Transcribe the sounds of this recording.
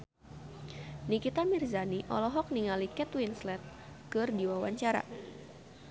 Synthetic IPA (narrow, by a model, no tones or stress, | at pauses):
nikit̪amirzaniʔɔ̰lɔɦɔk̚niŋalikɛt̪winslɛt̪̚ | kɨrdiwawaɲt͡ʃaɾa̰